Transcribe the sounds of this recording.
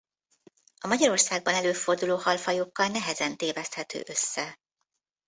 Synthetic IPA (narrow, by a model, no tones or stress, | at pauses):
ɒmɒɟɒɾo̞rsaːɡ̚bɒnɛløːfo̞rd̪uloːhɒlfɒjokːɒlnɛɦɛzɛnt̪eːvɛst̪hɛt̪ʰø̰ːʔø̞sːɛ